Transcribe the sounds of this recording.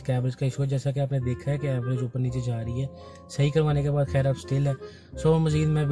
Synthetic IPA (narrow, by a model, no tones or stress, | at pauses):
kɛːbɾɪd͡ʒkaɪʃuɦɛd͡ʒɛːsakeaːpned̪eːkʰaɦɛkeɛːbɾɪd͡ʒʊpːəɾniːt͡ʃed͡ʒaːɾəiɦɛː | səɦikəɾʋaːnekebaːd̪xɛːɾaːt̪sʈeːlɦɛː | soːməziːd̪mɛ̃ːb